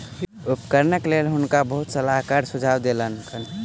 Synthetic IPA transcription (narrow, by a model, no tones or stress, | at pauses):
upkəɾnəklelɦʊnkabəɦut̪səlaɦkaɾsʊd͡ʒʱawd̪elənk